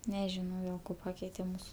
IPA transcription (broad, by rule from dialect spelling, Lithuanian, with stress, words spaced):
nʲɛˈʒʲɪnɐʊ jɛʊ ˈkoː ˈpɑːkʲɛɪtʲɛ ˈmuːsʊ